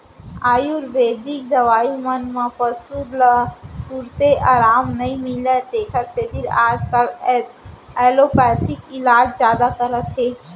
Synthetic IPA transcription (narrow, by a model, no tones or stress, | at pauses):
aːjuɾʋeːd̪ik̚d̪ɐʋaːjũmənmãpəsuɾləpuɾt̪eʔaːɾaːmnɐĩmilət̪eːkʰəɾsed̪iɾaːd͡ʒkəl | ɛːlopɛːt̪ɪkɪlaːd͡ʒzjaːd̪akəɾət̪ɦeː